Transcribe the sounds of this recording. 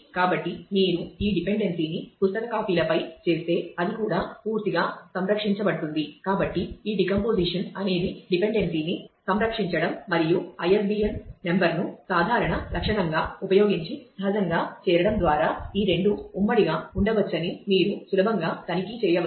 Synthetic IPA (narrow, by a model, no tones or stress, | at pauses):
kaːbɐʈːimiːɾuiːɖipe̞ɳɖe̞nsiːnipust̪ɐkɐkaːpiːlɐpɐjt͡ʃe̞ːst̪e̞ːɐd̪ikuːɽaːpuːɾt̪iɡaːsɐmɾɐkʂiɲt͡ʃɐbɐɽt̪und̪ikaːbɐʈːiiːɖikɐmpo̞ːd͡ʒiʂɐnɐne̞ːd̪iɖipe̞ɳɖe̞nsiːnisɐmɾɐkʂiɲt͡ʃɐɽɐmːɐɾijuɐjesbiemme̞mbɐɾnusaːd̪ʱaːɾɐɳɐlʔɐkʂɐɳɐŋɡaːupɐjo̞ːɡiɲt͡ʃisɐɦɐd͡ʒ̪ɐŋɡaːt͡ʃɛːɾɐɽɐmd̪ʋaːɾaːiːɾe̞ɳɖuːmːɐɽiɡaːuɳɖɐʋɐt͡ʃːɐnimiːɾusulɐbʱɐŋɡaːt̪ɐnikit͡ʃɛːjɐ